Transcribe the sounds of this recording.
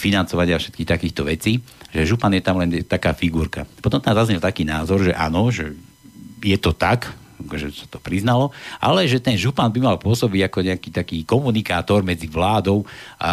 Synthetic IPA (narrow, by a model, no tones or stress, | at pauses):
finant͡sɔʋaɲɪafʃɛ̥t̪̚kixt̪akiːxt̪ɔʋɛt͡siːʒɛʒupanjɛt̪amlɛnt̪akaːfiɡuːɾka̰pɔt̪ɔmt̪amzazɲɛlt̪akiːnaːzɔɾʒɛ̰ʔaːnɔʒɛ | jɛt̪ɔt̪ak | akɔʒɛsḁt̪ɔ̥pɾiznalɔʔa̰lɛʒɛt̪ɛnʒupanbimalpʊɔsɔbiɟakɔɲɛakiːt̪akiːkɔmunikaːt̪ɔɾmɛd͡ziʋlaːd̪ɔʊʔa̰